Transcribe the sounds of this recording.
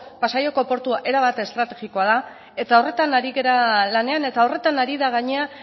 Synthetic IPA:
pasajo̞ko̞po̞ɾt̪uaʔe̞ɾaβat̪est̪ɾat̪e̞ɣiko̞aða | e̞t̪ao̞re̞t̪anaɾiɣe̞ɾalane̞ane̞t̪ao̞re̞t̪anaɾiðaɣ̞aɲea

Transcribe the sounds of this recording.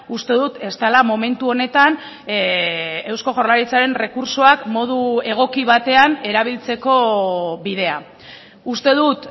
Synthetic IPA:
ust̪e̞ðut̪e̞st̪alamo̞me̞nt̪uo̞ne̞t̪an | e̞wsko̞ʝo̞rlaɾit͡saɾe̞nre̞kuɾsoakmo̞ð̞ue̞ɣ̞o̞kiβ̞at̪e̞ane̞ɾaβ̞ilt͡se̞ko̞βiðe̞a̰ | ust̪e̞ðut̪

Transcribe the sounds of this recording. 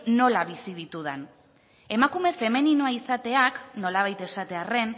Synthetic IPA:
no̞laβ̞isiðit̪uðan | e̞makume̞fe̞meninoaisat̪e̞akno̞laβ̞ajt̪e̞sat̪e̞are̞n

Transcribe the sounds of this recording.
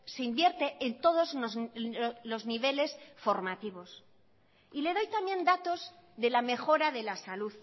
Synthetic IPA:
se̞imbje̞ɾt̪e̞ʔːnt̪o̞ð̞o̞zozlo̞zniβe̞le̞sfo̞ɾmat̪iβ̞o̞s | ile̞ð̞o̞jt̪amje̞nd̪at̪o̞zðe̞lame̞xo̞ɾaðe̞lasaluð

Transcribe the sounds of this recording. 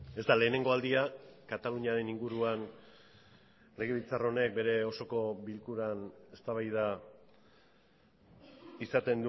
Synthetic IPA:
e̞zt̪ale̞ːne̞ŋɡo̞ald̪iakat̪aluɲiaɾe̞niŋɡuɾuan | le̞ɣ̞eβit͡saro̞ne̞k̚be̞ɾe̞o̞so̞ko̞βilkuɾane̞st̪aβajða | isat̪e̞nd̪u

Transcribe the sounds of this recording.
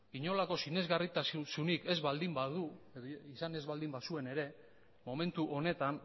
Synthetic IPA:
iɲo̞lako̞sine̞zɣarit̪assunike̞zβald̪imbaðueðisane̞zβald̪imbasue̞ne̞ɾe̞ | mo̞me̞nt̪uʔo̞ne̞t̪an

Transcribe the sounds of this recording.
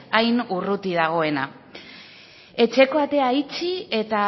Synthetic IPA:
ajnurut̪ið̞aɣ̞o̞e̞na | e̞t͡ʃe̞ko̞at̪e̞ait͡ʃie̞t̪a

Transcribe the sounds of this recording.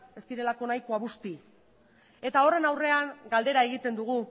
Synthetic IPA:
e̞st̪iɾe̞lako̞najkoaβust̪i | e̞t̪ao̞re̞nawre̞aŋɡald̪e̞ɾae̞ɣ̞it̪e̞nd̪uɣ̞u

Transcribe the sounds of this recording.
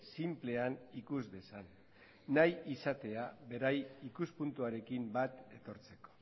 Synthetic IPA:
simple̞anikuzde̞sanː | ajisat̪e̞aβe̞ɾajikuspunt̪uaɾe̞kimbat̪e̞t̪o̞ɾt͡se̞ko̥

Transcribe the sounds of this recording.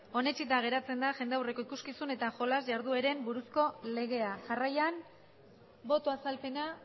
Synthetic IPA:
o̞ne̞t͡ʃit̪aɣ̞e̞ɾat͡se̞nd̪aʝe̞nd̪eawre̞ko̞ikuskisune̞t̪aʝo̞lazʝaɾðue̞ɾe̞mbuɾusko̞le̞ɣ̞e̞aʝarajan | bo̞t̪oasalpe̞na

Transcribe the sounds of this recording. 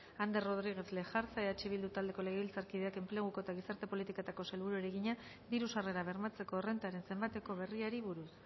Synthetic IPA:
and̪ero̞ð̞ɾiɣ̞e̞θle̞xaɾt͡saeat͡ʃiβild̪ut̪ald̪e̞ko̞leɣeilt͡saɾkiðe̞ake̞mple̞ɣ̞uko̞et̪aɣ̞isaɾt̪e̞po̞lit̪ikat̪ako̞se̞lβuɾueɾe̞ɣiɲa | d̪iɾusare̞ɾaβ̞e̞rmat͡se̞ko̞ere̞nt̪aɾe̞nse̞mbat̪e̞ko̞β̞e̞riaɾiβuɾus

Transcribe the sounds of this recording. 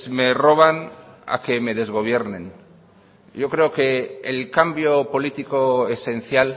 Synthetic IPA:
me̞ro̞β̞ana̰keme̞ðe̞zɣo̞β̞je̞ɾnḛ̃n | ɟ͡ʝo̞kɾe̞oke̞ːlkambjopo̞lit̪ikoese̞n̟θjal

